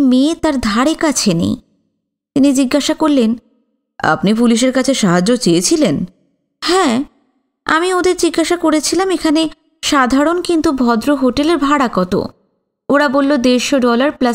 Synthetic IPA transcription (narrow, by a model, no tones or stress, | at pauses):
met̪aɾd̪ʱaɽekat͡ɕʰenḛj | t̪inid͡ʑiɡːaʃakoɾlen | a̰pnipuliʃ̬eɾkat͡ɕʰeʃaɦad͡ʑːot͡ɕejet͡ɕʰilen | hɛ̃ | a̰miod̪eɾd͡ʑiɡːaʃakoɾet͡ɕʰilamekʰane | ʃad̪ʱaɾonkint̪ubʱɔd̪ɾoɦoʈeleɾbʱaɽakɔt̪o̰ | oɽabolːod̪eʃoɖɔlaɾpla